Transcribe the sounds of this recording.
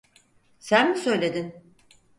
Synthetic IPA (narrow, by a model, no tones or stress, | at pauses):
sænmusø̞jlʲe̞d̪in